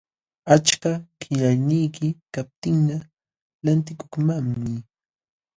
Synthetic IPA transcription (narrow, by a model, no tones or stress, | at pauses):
at͡ʃkakɪʎajnijkɪkap̚t̪ɪŋna | lant̪ɪkoχmammɪ